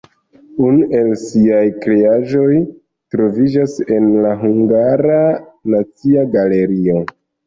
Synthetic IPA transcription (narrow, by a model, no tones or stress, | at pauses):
unuʔe̞lsiajkɾe̞aʒo̞j | tɾo̞vid͡ʒase̞nlaɦuŋɡaɾanat͡siaɡale̞ɾio̞